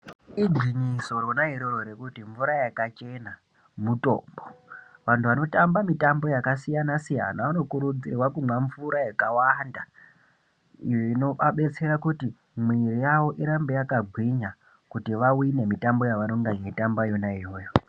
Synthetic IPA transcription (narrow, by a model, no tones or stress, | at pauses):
iɡwiɲiso̞ɾo̞naɦiɾoɾo̞ɾe̞kutiɱvuɾajakat͡ʃe̞na | muto̞̰ːmboʋantʰuʋano̞tambamitambo̞jakasijanasija̰naʋano̞kuɾud͡zirwakumwaɱvuɾajakawanda | ḭjoino̞aɓe̞t͡se̞ɾakuti | mwirijaʋo̞ʔiɾambe̞jakaɡʱwiɲa | kutiʋawine̞mitambo̞jaʋano̞ŋɡamitambajo̞naijo̞ːjo